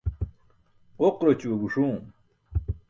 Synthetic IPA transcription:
oqɾot͡ɕuoɡuʂu

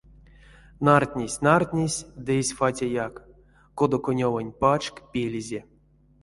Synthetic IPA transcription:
nart̪ʲnʲesʲnart̪ʲnʲesʲd̪ɨesʲfatʲajakː | od̪okonʲovanʲpat͡ʃkpʲelʲizʲe

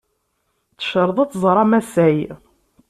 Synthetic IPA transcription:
t͡sə̥ʃəɾˤðˤɑt͡sːzˤɾˤɑmæsæj

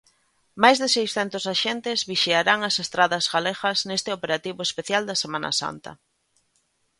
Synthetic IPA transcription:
majzðɪsejsθɛnt̪ʊsaʃent̪ɪzβiʃeaɾaŋɐsest̪ɾaðɐzɣaleɣɐznest̪ɪopeɾat̪iβʊespeθjald̪ɐsemãnɐ̰sa̰nt̪ɐ̰

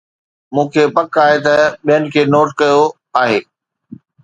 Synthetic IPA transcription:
mũːkʰepɐkaːɦet̪ɐɓijənɪ̆kʰeːnoːʈkɐjo | aːɦeː

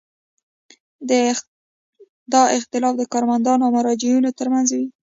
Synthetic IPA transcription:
d̪ə | d̪ɑɪxt̪ɪlɑfd̪əkɑɾmand̪ɑnoawmaɾɑd͡ʒɪunot̪əɾmanzwi

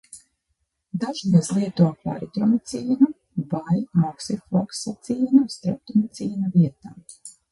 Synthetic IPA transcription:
d̪aʒd̪azlˠiɛt̪uapa̰ɾit̪ɾɔmit̪siːnu | vajmɔksifɔksat̪siːnust̪ɾap̚t̪ɔmt̪sʲiːnaviɛt̪aː

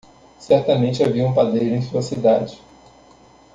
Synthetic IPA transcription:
sɛɾt̪ɐmẽt͡ʃɪaviɐũpad̪ejʒʊẽj̃suɐsid̪ad͡ʒɪ

